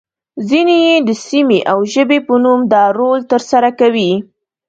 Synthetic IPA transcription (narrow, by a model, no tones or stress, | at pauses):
zinejed̪əsimeʔawʒəbepənumd̪ɑɾolt̪əɾsaɾakawi